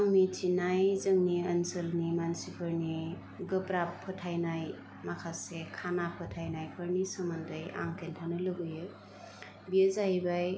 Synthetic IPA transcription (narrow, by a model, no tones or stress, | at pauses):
aŋnitʰinajzəŋniənsəlnimansipʰəɾni | ɡɯpɾapʰːɯtʰajnaj | makʰasekʰanapʰɯtʰajnajpʰəɾnisəmandəja̰ŋkʰentʰanɯləɡɯjɯ | biezajbaj